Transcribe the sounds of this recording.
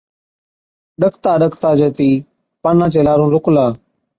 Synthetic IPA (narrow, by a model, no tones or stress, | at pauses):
ɗəkʰt̪aːɗəkʰt̪aːd͡ʒeːt̪iː | panãːt͡ʃeːlaːɾũːɾʊklaː